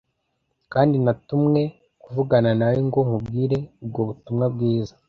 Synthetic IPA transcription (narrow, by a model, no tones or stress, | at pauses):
kaːndinatumŋe̞ | kuvuɡananawiŋɡo̞ŋubɡiːɾe̞ub̚ɡo̞βutumŋab̚ɡiːzḁ